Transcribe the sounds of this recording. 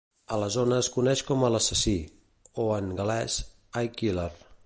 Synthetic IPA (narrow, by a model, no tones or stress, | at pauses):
ələzonəːskunɛʃkɔmələsəsi | oəŋɡəlɛz | ajkilər